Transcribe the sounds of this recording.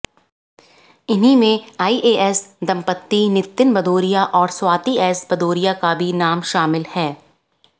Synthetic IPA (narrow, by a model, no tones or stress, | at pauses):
ɪnimẽaːiːʔeːʔɛsd̪ɐ̃mpət̪ːinɪt̪ːɪnbɐd̪oːɾijaʔɔːɾswaːt̪iɛːsbɐd̪oːɾijakabʱinaːmʃaːmɪlhɛː